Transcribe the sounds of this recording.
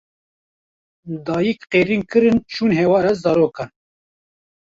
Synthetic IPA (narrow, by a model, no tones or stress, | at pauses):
d̪ɑːjikqeːɾiːnkɨɾɨnt͡ʃʰuːnɦewɑːɾɛzɑːɾoːkɑn